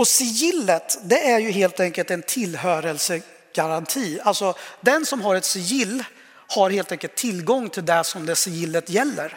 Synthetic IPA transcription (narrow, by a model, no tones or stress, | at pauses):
ɔsɪjɪlːət̪d̪ɛʔæɾjɵɦeːlt̪ɛŋkəlt̪ɛnt̪ʰɪlːɦøːɾəlsə | ɡ̥aɾant̪ʰiːalsɔd̪ɛnsɔmɦaɾɛt̪sɪjɪlː | haɾheːlt̪ɛŋkəlt̪ʰːɪlːɡɔŋːt̪ʰɪld̪ɛsɔmd̪ɛsɪjɪlːət̪jɛlːə̰ɾ